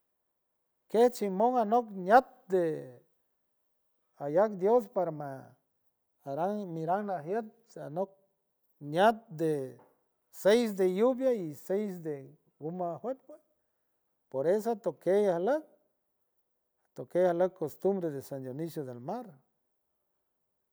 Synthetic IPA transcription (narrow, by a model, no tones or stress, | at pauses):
keht͡ʃimoŋanoknjat̪̚d̪e | ajakd̪jos̬paɾama | ɾaŋmiɾaŋnaɦjet̪̚ | a̰nok̚ | njat̪̚d̪e | sejs̬d̪ejubjaisejs̬d̪e | ɡumahwet̪̚pe | poɾesat̪okejahlək̚ | at̪okejahaləkkost̪umbɾeðesand̪jonisjoðelmaɾ